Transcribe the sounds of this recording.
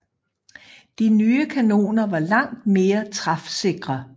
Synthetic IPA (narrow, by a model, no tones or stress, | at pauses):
d̥inyːəkʰæno̝̰ːnɐʋɑ̈lɑ̈ŋ̰d̥me̝ːɐt͡sʰʁɑ̈fse̝ɡ̥ʁɐ